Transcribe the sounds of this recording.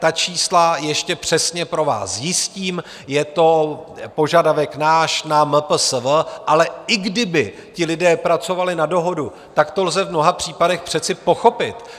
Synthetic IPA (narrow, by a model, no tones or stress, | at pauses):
t̪at͡ʃiːslajɛʃcɛpr̝̥ɛsɲɛpɾo̞va̰ːsjɪsciːm | jɛt̪o̞po̞ʒadavɛknaːʃnaməp̩səvʔalɛɪɡdɪbɪ | cɪlɪdɛːpɾat͡so̞valɪnado̞ɦo̞du | t̪akt̪o̞lzɛvmno̞ɦapr̝̥iːpadɛxpr̝̥ɛt͡sɪpo̞xo̞pɪt̪